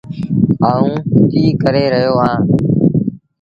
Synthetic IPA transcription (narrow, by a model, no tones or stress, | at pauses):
ɦaːũːt̪iːkəɾeːɾəɦjoːɦãː